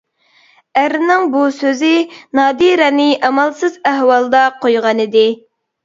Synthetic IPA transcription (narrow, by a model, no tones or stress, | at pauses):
æɾɪnɪŋbusøzɪnɑːd̪iɾɛnɪʔɑmɑlˠsɨzæhwɑlˠd̪ɑqʰojʁɑnɨd̪ɪ